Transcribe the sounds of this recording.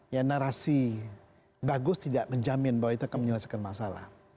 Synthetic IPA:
janaɾasi | baɡʊst̪idaʔməɲd͡ʒamɪnbawait̪uakanməɲəlasakanmasala̰h

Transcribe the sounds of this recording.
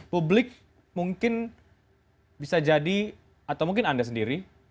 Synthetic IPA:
publɪk̚ | muŋkɪn | bisad͡ʒadi | at̪awmuŋkɪnandas̬əndiɾi

